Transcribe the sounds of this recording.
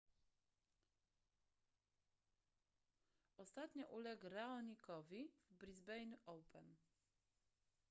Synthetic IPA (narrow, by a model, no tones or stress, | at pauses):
ʔɔst̪at̪ɲɔʔulɛɡɾaɔɲikɔvʲivbɾizbɛjnuʔɔwpɛn